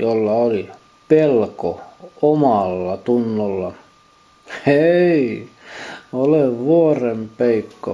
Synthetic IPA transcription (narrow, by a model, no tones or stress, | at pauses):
jolːɑoli | pelko̰omɑlːɑt̪unːolːɑ | ei | oleʋʋuorempeikːo̰